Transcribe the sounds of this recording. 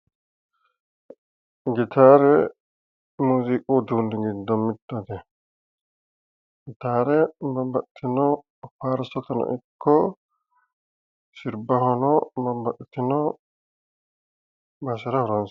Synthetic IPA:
ɡɪt̪ʰaːɾɛ | muːzikʼuːd̪uːnd̪ɪɡɪd̪ːɔmɪd̪ːɐd̪ɛ | ɪt̪aːɾɛbɐmbɐʔɪt̪ːɪnɔ | paːɾsɔt̪ɐnɐ̰ʔɪkʰːɔ | sɪɾbɐhɔnɔbɐmbɐʔɪt̪ːɪnɔ | bɐsɛɾɐhʊɾɐns

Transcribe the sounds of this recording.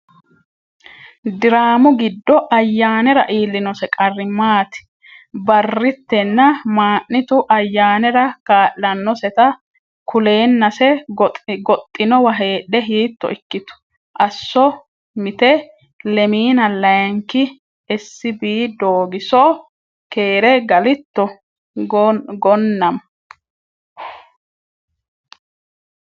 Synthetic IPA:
d̪ɪɾaːmʊɡɪd̪ːɔʔɐjːaːnɛɾɐ̰ʔiːlːɪnɔsɛkʼɐrːɪmaːt̪ɪ̥ | bɐrːɪt̪ːɛnːɐmaːʔːɪt̪ʊʔɐjːaːnɛɾɐkaːʔlɐnːɔsɛt̪ɐ | kʰʊle̞ːnːɐsɛ | ɡɔt̪ʼːɪnɔwɐɦe̞ːᶑɛɦiːt̪ːɔ̰ɪkːɪt̪ʊ̥ | ʔɐsːɔ | mɪt̪ɛ | lɛmiːnɐlɐjŋkɪ | ɛsːɪbiːd̪oːɡɪsɔ | ke̞ːɾɛɡɐlɪt̪ːɔ | ɡɔnːɐm

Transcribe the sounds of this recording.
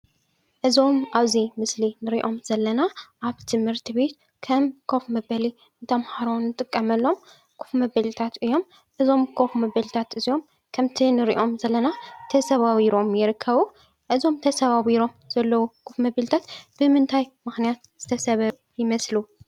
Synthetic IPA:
ʔɨzo̞mʔaβzimɨslinɨɾiʔo̞mzɐlːɐnaʔaβt̪ʰɨmhɨɾt̪ʰɨβe̞t̪ | kʰɐmkʰo̞fmɐbɐli | nt̪ʰɐmhaɾonːɨt̪ʼɨkʼːɐmɐlːo̞m | kʰu̥fmɐbɐlit̪ʰat̪ɨjːo̞m | ʔɨzo̞mkʰo̞fmɐbɐlt̪ʰat̪ɨzijo̞m | kʰɐmt̪ʰinɨɾḭʔo̞mzɐlːɐnat̪ʰɐsɐβawiɾo̞mjɪɾɨkʰːɐβu | ʔɨzo̞mt̪ʰɐsɐβaβiɾo̞mz̥ɐlːɐwukʰufmɐbɐlt̪ʰat̪b̥ɨmɨnt̪ʰajmɨxnijat̪̚z̥ɨt̪ʰɐsɐβɐ | jɪmɐslu

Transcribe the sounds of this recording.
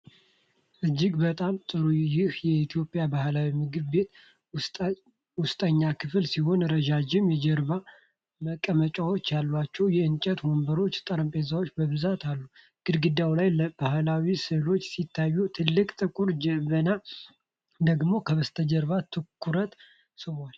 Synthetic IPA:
ʔɨd͡ʒːɪɡbət̪ʼamt̪ʼɨɾujɪhjɛit̪ʰijo̞pʼjabahlawimɨɡɨβbe̞t̪ | wʊst̪ʼəɲːakʰɨflsiho̞nɾəd͡ʒad͡ʒɪmjɛd͡ʒɛɾβa | məkʼːəmət͡ʃʼawot͡ʃːalːwat͡ʃːɛwjɛʔɨnt͡ʃʼɛt̪wo̞mbəɾo̞t͡ʃːt̪ʼəɾəmpʼezawot͡ʃːbəβɨzat̪alːu | ɡ̥ɨd̪ɡɨd̪awlajləb̥ahlawisɨlo̞t͡ʃːsit̪ʰːajːut̪ʰɨlːɨkʼt̪ʼɨkʼuɾd͡ʒɛβəna | d̪əɡmo̞kʰəβəst̪ʰəd͡ʒɛɾβat̪ʰɨkʰːuɾət̪ | sɨwal

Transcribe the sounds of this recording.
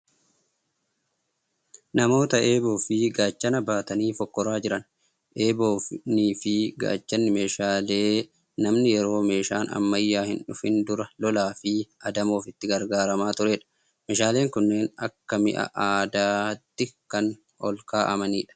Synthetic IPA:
nɐmo̞ːt̪ɐe̞ːbo̞ːfɪɡaːt͡ʃːɐnɐbaːt̪ɐniːfɔkːɔɾaːd͡ʒɪɾɐn | ʔe̞ːbo̞ːfniːfɪɡa̰ːt͡ʃːɐnːɪme̞ːʃaːle̞ː | nɐmnɪjɛɾo̞ːme̞ːʃaːnɐ̰mːɐjːaːhɪnᶑʊfɪnd̪ʊɾɐlɔlaːfɪʔɐd̪ɐmo̞ːfɪt̪ːɪɡɐɾɡaːɾɐmaːt̪ʊɾeːᶑɐ̥ | meːʃaːleːŋkʊnːe̞ːnɐkːɐmɪ̰ʔɐ̰ʔaːd̪aːt̪ːɪkɐn | ɔ̰lkaːʔɐmɐniːᶑɐ̥

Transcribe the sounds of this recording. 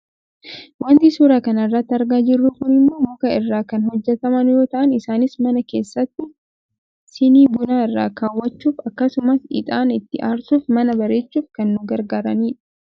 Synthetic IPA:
wɐnt̪isuːɾaːkɐnɐrːɐt̪ːɪɐɾɡaːd͡ʒɪrːuːkʊnɪmːoːmʊkɐɪrːaːkɐnhɔd͡ʒːɛt̪ɐmɐnjo̞ːt̪ɐʔɐnɪsaːnɪsmɐnɐke̞̰ːsːɐt̪ːɪ | sɪniːbʊnaːɪrːa̰ːkaːwːɐt͡ʃːuːfɐkːɐsʊmɐsɪ̰t̪ʼaːnɪt̪ːɪʔaːɾsuːfmɐnɐbɐɾe̞ːt͡ʃːuːfkɐnːʊɡɐɾɡaːɾɐniːᶑɐ̥

